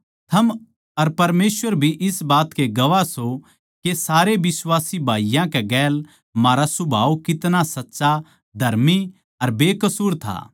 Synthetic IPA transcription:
t̪ʰɐm | ɐɾpɐɾmeːsʋəɾbʱiʔɪsbaːt̪keɡɐʋaso | kesaːɾebɪswaːsibʱaːijãkeɡɛːl | maːɾasʊbʱaːukɪt̪nasɐtːʃa | d̪ʱɐɾmi | ɐɾbeːkɐsuːɾt̪ʰa̰ː

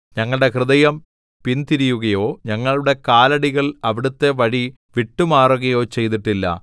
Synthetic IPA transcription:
ɲɐŋːɐɭɽe̞krɨðɐjɐm | pint̪iɾijuɣɐjo̞ːɲɐŋːɐɭuɽe̞kaːlɐɽiɣɐɭɐʋiɽut̪ːe̞ʋɐɻi | ʋiʈːumaːruɣɐjo̞ːt͡ɕe̞jt̪̬iʈːilːɐ̰

